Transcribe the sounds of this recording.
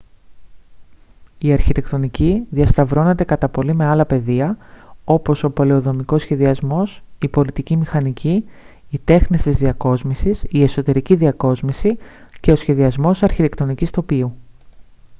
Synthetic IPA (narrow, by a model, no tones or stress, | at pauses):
iɐɾçit̪e̞kt̪o̞niciðiɐst̪ɐvɾo̞ne̞t̪e̞kɐt̪ɐpo̞lime̞ɐlɐpe̞ðiɐo̞po̞so̞po̞le̞o̞ðo̞miko̞sçe̞ðiɐzmo̞sipo̞lit̪icimixɐnicʰiː | t̪e̞xnist̪izðiɐko̞zmisisie̞so̞t̪e̞ɾiciðiɐko̞zmisice̞o̞sçe̞ðiɐzmo̞sɐɾçit̪e̞kt̪o̞nicist̪o̞piu